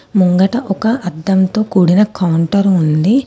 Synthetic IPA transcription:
muŋɡɐʈɐʔɔkɐʔɐd̪ːɐmt̪o̞ːkuːɽinɐkɐwɳʈɐɾund̪i

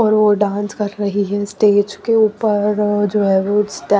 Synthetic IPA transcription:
ɔːɾʋoɖãːnskɐɾɾɐɦiɦɛsʈeːd͡ʒkeuːpəɾd͡ʒoːɦɛːʋosʈɛ

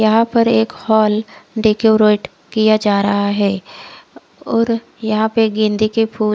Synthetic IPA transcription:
jɐɦãpɐɾeːkhɔːlɖeːkoɾeːʈ | kijad͡ʒaːɾɐɦaɦɛː | ɔːɾ | jɐɦãpeɡɪ̃nd̪ikepʰuː

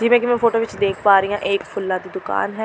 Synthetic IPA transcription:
d͡ʒiːmɛ̃ːkimɛ̃ːfoːʈoːʋɪt͡ʃd̪eːkʰpaːɾəijãʔeːkpʰʊlːãːt̪id̪ʊka̰ːnɦɛː

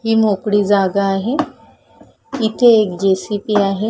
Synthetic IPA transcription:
ɦiːmokɽiːd͡zaɡaːɦe | it̪ʰeːk̚d͡ʒesipiaːɦe

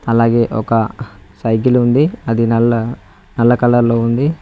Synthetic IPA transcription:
ɐlaːɡe̞ːʔɔ̰kɐsɐjɡilund̪iɐd̪inɐlɐ | nɐlːɐkɐlɐɾloːund̪i

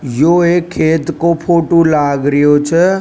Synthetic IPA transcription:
joekʰːeːt̪kopʰoːʈolaɡɾəjot͡ʃʰə

